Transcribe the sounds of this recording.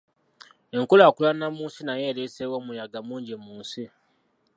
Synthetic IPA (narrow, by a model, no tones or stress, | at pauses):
e̞ŋkulaːkulanːamuːnsinajeːɾesewoːmujaɡamuːɲɟemuːnsi